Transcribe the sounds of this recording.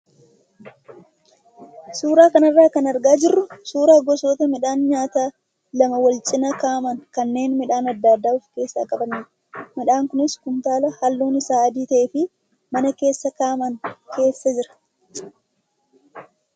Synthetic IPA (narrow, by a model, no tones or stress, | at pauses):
suːɾaːkɐnɐrːaːkɐnɐɾɡaːd͡ʒɪrːʊsuːɾaːɡɔso̞ːt̪ɐmɪᶑaːnɲaːt̪aː | lɐmɐwɐlt͡ʃʼɪnɐkaːmɐŋkɐnːe̞ːnmɪᶑaːnɐd̪ːaːd̪ːaːʊfke̞ːsːa̰ːkʼɐbɐniːɾɐ | mɪᶑaːŋkʊnɪskʊnt̪aːlɐhɐlːuːnɪsaːɐd̪iːt̪ɐʔeːfɪ | mɐnɐke̞ːsːɐkaːmɐŋkʰe̞ːsːɐd͡ʒɪɾɐ̥